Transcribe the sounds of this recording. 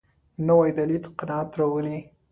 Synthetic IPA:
nawajd̪alilqɪnɑat̪ɾawəli

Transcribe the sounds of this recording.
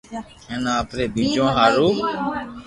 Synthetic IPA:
eːnãːəpɾeːbĩːd͡ʒõːɦaːɾuː

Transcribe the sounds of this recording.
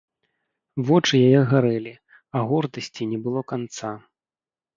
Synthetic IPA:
vɔt͡ʂɨjajɛɣaɾɛlʲi | ɐɣɔrd̪ɐsʲt͡sʲinʲɛbɨlˠɔkant̪sa

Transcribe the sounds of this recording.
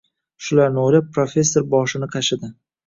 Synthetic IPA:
ʃʊlaɾnɪojlɪp̚pːɾofʲe̞sːo̞ɾbɒʃɪnɪqʰɑʃɪd̪ɪ

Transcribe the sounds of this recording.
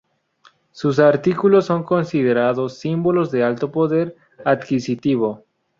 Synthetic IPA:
sus̬aɾt̪ikulosːo̞ŋko̞nsið̞eɾaðosːimbo̞lozðe̞alt̪o̞po̞ðeɾ | ad̪kisit̪iβ̞o̞

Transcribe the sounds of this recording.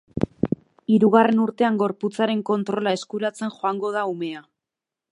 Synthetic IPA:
iɾuɣare̞nuɾt̪e̞aŋɡo̞ɾput͡saɾe̞ŋko̞nt̪ɾo̞lae̞skuɾat͡se̞nxo̞aŋɡo̞ð̞aume̞a

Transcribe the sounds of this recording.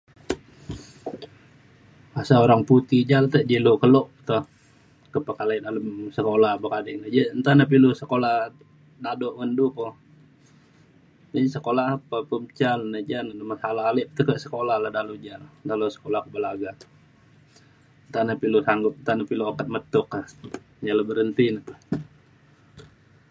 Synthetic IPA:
asaoɾaŋput̪id͡ʒalt̪əd͡ʒilukəlɔʔt̪ɔ | kəpəkalanaləmsəkolabəkadɛʔ̚nəd͡ʒant̪anap̬ilusəkolah | dadoʔməndukɔ | d͡ʒasəkolapapəmt͡ʃalnəd͡ʒananəmasalaːlɪp̚t̪əkəʔsə̥kolahlahdalud͡ʒalad̪alosə̥kolahkubəlaɡat̪ɔ̥ | nt̪anapilusaŋɡʊp̚nt̪anapiluokət̪̚mət̪ʊka | d͡ʒaləbəɾənt̪inat̪

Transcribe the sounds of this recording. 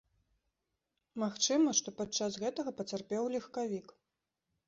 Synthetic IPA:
maxt͡ʂɨmɐʂt̪ɔpat͡ʂasɣɛt̪ɐɣɐpɐt͡s̪ʲarpʲɛwlʲixkavʲik

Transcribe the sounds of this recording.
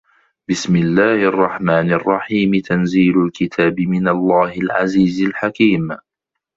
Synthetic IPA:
bɪsmɪlːaːhʔɑrˤːɑħmaːnɪrˤːɑħiːmɪt̪anziːlʊlkɪt̪ʰaːbɪmɪnalˤːaːhɪlʕa̰ziːzɪlħakiːm

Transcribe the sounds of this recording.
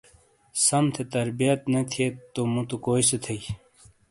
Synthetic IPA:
sɐmt̪ʰet̪ɐɾbijɐt̪nɐt̪ʰiet̪ːomut̪okoːiset̪ʰɐi

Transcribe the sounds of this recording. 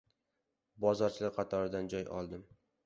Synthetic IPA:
bɒzɒɾt͡ʃʰɪlaɾqʰɑt̪ʰɒɾɪd̪and͡ʒɒjɒ̰lˠd̪ɪm

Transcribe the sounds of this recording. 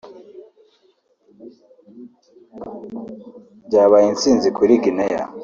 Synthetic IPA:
ɟaːβajint͡siːnzikuɾiɡineja̰

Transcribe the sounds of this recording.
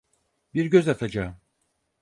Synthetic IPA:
biɾɟø̞zat̪ʰad͡ʒaːɯm

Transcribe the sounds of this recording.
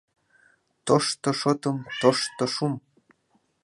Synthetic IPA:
t̪oʃt̪ŏʃot̪ɤ̆mt̪oʃt̪ŏʃum

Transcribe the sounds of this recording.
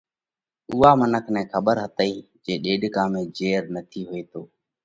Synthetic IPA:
uːaːmənəkʰnɛ̃ːkʰəɓəɾɦət̪əiː | d͡ʒeːɗeːɖkãːmẽːd͡ʒeːɾnət̪ʰiːɦʊeːt̪ʰoː

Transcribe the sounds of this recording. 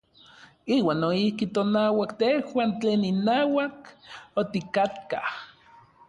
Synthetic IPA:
iːwaːnːoihkit̪onaːwakt̪ehwaːnt͡ɬeːninaːwakot̪ikat̪ka̰h

